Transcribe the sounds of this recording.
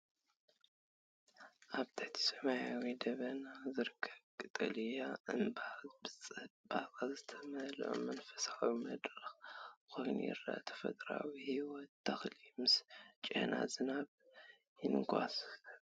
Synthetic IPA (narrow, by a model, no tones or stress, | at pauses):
ʔaβt̪ʰaħt̪ʰi̥sɐmajawid̪ɐβɐnazɨɾɨkʰːɐβkʼɨt̪ʼɨ̰lɨjaʔɨnbabɨɐbaβazɨt̪ʰɐmɐlʔo̰mɐnfɐ̥sawimɐd̪ɾɨxkʰo̞jn̰jɪ̰ra̰ʔt̪ʰɐ̥fɐ̰t̪ʼɾa̰wihiwɔt̪ʰːɐxlimɨst͡ʃʼḛnʔa̰zɨnaβ | jɪnɡʰʷʼa̰s